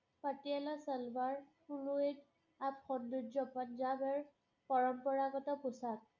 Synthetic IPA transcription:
patialasɛlbaɹkulued | apxɔndutzɔpɔnd͡ʒabɛɹ | pɔɹɔmpɔɹakɔtɔpʊsak̚

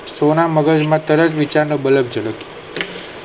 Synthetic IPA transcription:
sonaməɡəd͡ʒmãt̪əɾət̪ʋit͡ʃaɾnobələb̚d͡ʒələko

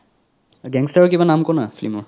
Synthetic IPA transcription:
ɡɛŋstaɹɔkibanamkɔnafʰlimɔɹ

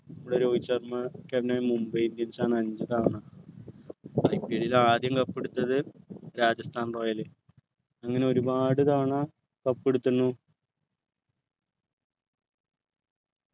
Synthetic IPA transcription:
ɐmuɽeɾo̞ːɡit͡ɕːɐrmɐkeʋnɐmumbɐjind̪jɐnsaːnɐɲd͡ʑɨt̪aːɳɐ | ɐjpːeɽilaːd̪jɐmkɐpːeɽut̪ːɐðɨɾaːd͡ʑɐst̪ʰaːnroːjɐlɨ | ɐŋːɐne̞o̞ɾubaːɽɨt̪aːʋɳɐ | kɐpːeɽut̪ːunːu

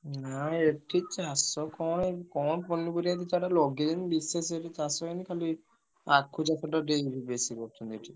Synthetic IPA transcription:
naeʈʰit͡ʃasɔkɔnkɔnponːipuɾiat̪it̪ʰaʈalɔɡid̪inibises̬eʈit͡ʃasɔkenikʰali | akʰːud͡ʒat̪ʰaʈaɖebibesikɔɾt̪ʰunt̪eʈʰi

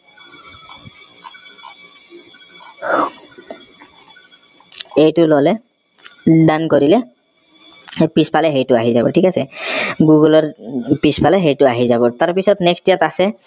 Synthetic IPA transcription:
ejtʊlɔlɛ | dankoɹilɛ | pispalɛxejtʊaɦizabɔ̰ʈʰikasɛɡuɡulɔɹpispʰalɛɦejtʊaɦizabɔtaɹpisɔtnɛkstijatasɛ

